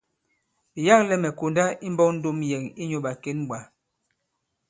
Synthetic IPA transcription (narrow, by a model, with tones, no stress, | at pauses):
bi˨ja˦klɛ˦mɛ˨ko˨nda˦i˦m̩˦bɔ˦n̩˦do˦mjɛ˨ŋi˦ɲo˦ɓa˨ke˦nɓwa˨